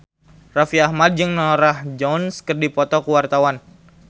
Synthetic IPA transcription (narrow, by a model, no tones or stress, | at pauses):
rafiahmad̚d͡ʒɨŋnɔɾahd͡ʒɔnskərdipɔt̪ɔkuwart̪awan